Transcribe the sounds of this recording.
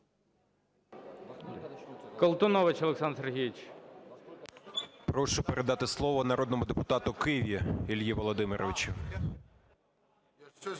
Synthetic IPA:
kɐlˠt̪ʊnɔʋɪt͡ʃɔɐlˠeksɑnserɦʲijit͡ʃ | pɾɔʃʊpeɾʔed̪ɑt̪ɪslˠɔʋɔnɐɾɔd̪nɔmʊd̪epʊt̪ɑt̪ʊkɪjʋʲjiilʲjiʋɔlˠɔd̪ɪmɪɾɔʋt͡ʃʊ

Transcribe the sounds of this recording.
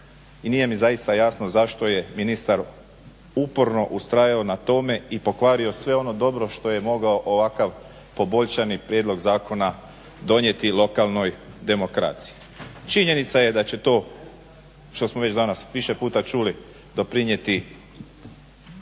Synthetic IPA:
inije̞mizaist̪ajasno̞zaʃt̪o̞je̞minist̪aɾ | upo̞ɾno̞ʔust̪ɾajaonat̪o̞me̞ipo̞kʋaːɾio̞sʋe̞o̞no̞d̪o̞bɾo̞ʃt̪o̞je̞mo̞ɡao̞ʔoʋakaʋ | po̞bo̞ʎʃanipɾjed̪lˠo̞ɡzaːko̞na | d̪o̞nje̞t̪ilˠo̞kalˠno̞jd̪e̞mo̞kɾa̰t̪si̥ji | t͡ʃiɲe̞nit̪saje̞d̪at͡ɕe̞t̪o̞ː | ʃt̪o̞smoʋe̞t͡ʃd̪anasʋiʃe̞puːt̪at͡ʃuli | d̪o̞pɾiɲje̞t̪i

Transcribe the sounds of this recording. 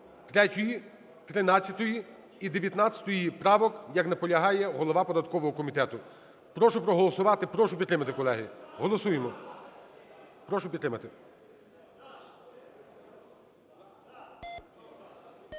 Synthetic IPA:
t̪ɾɛtʲɔji | t̪ɾɪnɑt͡sʲjɐt̪ɔji | id̪eʋʲjɐt̪nɑt͡sʲɐ̥t̪ɔjipɾɑʋɔkjɐknɐpɔlʲɐɦɑjɛɦɔlˠɔʋɑpɔd̪ɐt̪kɔʋɔɦɔkɔmʲit̪ɛt̪ʊ | pɾɔʃʊpɾɔɦɔlˠɔsʊʋɑt̪ɪpɾɔʃʊpʲid̪ɾɪmɐt̪ɪkɔlˠɛɦɪɦɔlˠɔsujemɔ | pɾɔʃʊpʲd̪ɾɪmɐt̪ɪ

